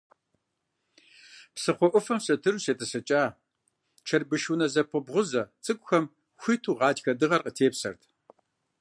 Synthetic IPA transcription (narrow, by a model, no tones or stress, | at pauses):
psɨχʷɔʔʷʊfɐmɕʼɐtʰɨruseːtʰʼɨsɐt͡ʃʼaː | t͡ʃʰɐrbɨʃunɐzɐp̚ʰʷəbʁʷʊzɐt͡sʼɨkʷʼʊxɐm | xʷitʰuːʁɑːtxɐdɨʁɐrqətʰeːpsɐ̰rtʰ